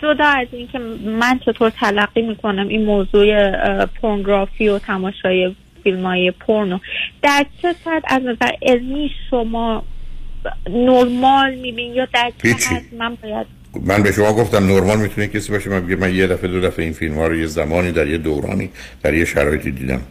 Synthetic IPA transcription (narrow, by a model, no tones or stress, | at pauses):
d͡ʒo̞d̪ɒːæzincʰe̞mænt͡ʃʰe̞t̪ʰoɾt̪ʰælæɡːiːmiːkʰo̞næmʔinmoːzuːepʰoɾnɡɾɒːfiːo̞t̪ʰæmɒːʃɒːje | filmɒːiːepʰoɾnod̪̥æɾt͡ʃʰe̞sæt̪ʰæznæzæɾʔelmiːʃʃomɒː | noɾmɒːlmiːbinjɒːd̪æɾt͡ʃʰhit͡ʃʰːit̪mænbɒːjæd̪̥̚ | mænbeʃomɒːɡo̞ft̪æmnoɾmɒːlmit̪ʰunejekcʰesiːbɒːʃemænbeɟemænjed̪æfed̪od̪æfeinfilmhɒːɾojezæmɒːniːd̪æɾjed̪owɾɒ̰ːniː | d̪̥æɾjeʃæɾɒːjet̪ʰid̪ḭːd̪æ̰m